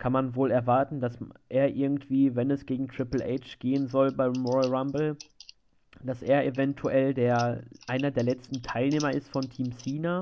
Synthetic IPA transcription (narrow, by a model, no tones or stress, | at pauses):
kʰanmanvoːlɛɐvaɐtn̩d̥asʔeːɐʔɪɐɡŋ̩tv̥iːvɛnɛsɡ̥eːɡŋ̩tʁ̥ɪpl̩ʔɛ̰ɪt͡ʃɡ̥eːənzɔlbaɪmɔʁaʁambl̩ | d̥asʔeːɐʔevɛntʰuʔɛldeːɐʔaɪnɐdeːɐlɛt͡stn̩tʰaɪlneːmɐɪstfɔntʰiːmsiːna